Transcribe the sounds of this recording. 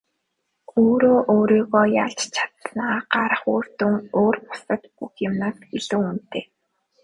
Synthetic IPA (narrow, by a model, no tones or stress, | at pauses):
oːɾoːʔoːɾiːɣɔːjaɮt͡ɕt͡ɕʰḁt̪naːɢaɾə̆χoːr̥t̪uŋoːrpʊ̥sə̆t̪puxjamnaːsɡeɮuːun̥t̪eː